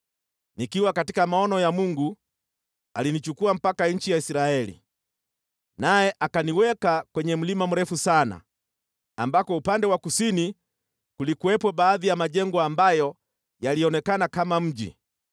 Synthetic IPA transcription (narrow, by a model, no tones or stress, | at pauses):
nikiwakatikamaɔnɔjamuŋɡu | alinit͡ʃukuam̩pakaɲ̩t͡ʃijaisɾaɛlḭ | najɛʔakaniwɛkakwɛɲɛm̩limam̩ɾɛfusana̰ | ambakɔupandɛwakusini | kulikuwɛpwɔbaːðijamaʄɛŋɡɔambajɔ | jaliɔnɛkanakamam̩ʄḭ